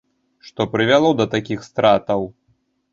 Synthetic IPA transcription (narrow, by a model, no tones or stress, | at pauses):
ʂt̪ɔpɾɨvʲalˠɔd̪ɐt̪akʲixst̪ɾat̪ɐw